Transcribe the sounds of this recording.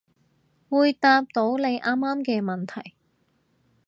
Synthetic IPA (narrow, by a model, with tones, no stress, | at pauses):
wuː˨˧jt̪aː˧p̚t̪o˨˥wle˨˧jʔaː˥mːaː˥mkɛː˧mɐ˨nt̪ʰɐ˨˩j